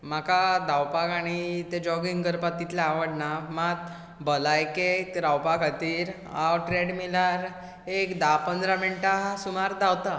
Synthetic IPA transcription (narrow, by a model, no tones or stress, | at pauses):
m̤akad̪awpakaɽ̃it̪ed͡ʑɔɡiŋɡɡəɾpat̪ːit̪ljaaʋəɽnamat̪̚ | bəlajkek̪ɾawpakat̪iːɾ | awʈɾeɽmilaɾ | ekd̪apənd̪ɾamiɳʈasumaɾd̪awt̪a